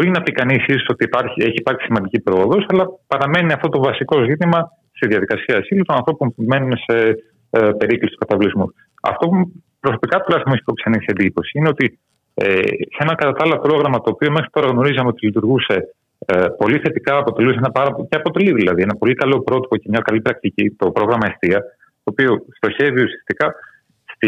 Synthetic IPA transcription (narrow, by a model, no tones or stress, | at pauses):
bo̞ɾinɐpikɐnisisoso̞t̪iːpɐɾçie̞çiːpɐɾçi̥simɐnd̪icipɾo̞oðo̞sɐlɐpɐɾɐme̞niɐft̪ot̪o̞vɐsiko̞zit̪imɐ | st̪iðiɐðikɐsiɐsilut̪onɐnθɾo̞ponme̞nunese̞ | pe̞ɾiklisit̪u̥kɐt̪ɐvlizmus | ɐ̰ft̪o̞u | pɾo̞so̞pikɐt̪ulɐsmisip̪oksenisend̪ipo̞siine̞o̞t̪i | ḛsenɐkɐt̪ɐt̪ɐlopɾo̞ɣɾɐmɐt̪o̞ːpio̞me̞xɾi̥t̪o̞ɾɐɣno̞ɾizɐmeo̞t̪ilit̪uɾɣuse̞ | po̞liθe̞t̪ikɐːpo̞t̪e̞luseenɐpɐɾɐpceɐpo̞t̪e̞liðilɐðie̞nɐpo̞likɐlo̞pɾo̞t̪i̥po̞cemɲɐkɐlipɾɐk̚t̪icit̪o̞pɾo̞ɣɾɐmɐest̪iɐ | t̪o̞ːpio̞st̪o̞çe̞viusi̥ɐ̥st̪ikɐ | st̪i